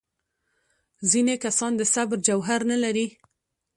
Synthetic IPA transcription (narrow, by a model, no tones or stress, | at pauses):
zinekasɑnd̪əsabɾd͡ʒawɦaɾnalaɾi